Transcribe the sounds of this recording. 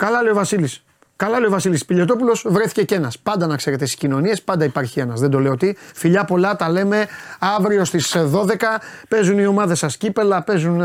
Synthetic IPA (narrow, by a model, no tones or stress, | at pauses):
kɐlɐle̞ovɐsilis | kɐlɐleo̞vɐsilispiʎe̞t̪o̞pulo̞svɾe̞θi̥ce̞ce̞nɐspɐnd̪ɐnɐkse̞ɾe̞t̪esi̥scino̞nie̞spɐnd̪ɐipɐɾçie̞nɐzðend̪o̞le̞ot̪ifiʎɐpo̞lɐt̪ɐle̞me̞ɐvɾio̞st̪isðo̞ðe̞kɐpe̞zunio̞mɐðe̞sɐscipe̞lɐpe̞zun